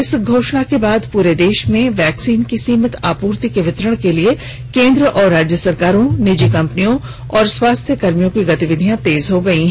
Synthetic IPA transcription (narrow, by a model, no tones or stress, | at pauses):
ɪsɡʱoːʃɽ̃akebaːd̪puːɾed̪eːʃmẽʋɛːksiːnkisiːmət̪aːpuːɾt̪ikeʋɪt̪ɾəɽ̃kelie | kẽːnd̪ɾəʔɔːɾːaːd͡ʒjəsɐɾkaːɾõnɪd͡ʒikɐ̃mpnijõ | ɔːɾswaːst̪ʰjəkɐɾmijõkiɡɐt̪iʋɪd̪ʱijãt̪eːzɦoɡɐiɦɛ